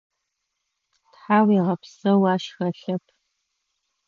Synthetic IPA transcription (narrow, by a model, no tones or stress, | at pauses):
tħaːwiːʁɐpsɐwaːʃxɐɬɐpʰ